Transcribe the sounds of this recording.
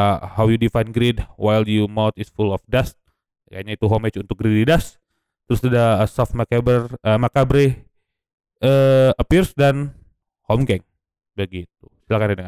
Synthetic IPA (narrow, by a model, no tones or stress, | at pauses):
hawjudifajnɡɾidwajljumawt̪ɪsfulɔfdast̪̚ | kajɲait̪uɦomet͡ʃunt̪ʊk̚ɡɾididas | t̪əɾʊsadasafmakabərəmakabɾe | ʔəəpirsdan | hɔmɡɛŋ | bəɡit̪̚u̥silakanjadəŋa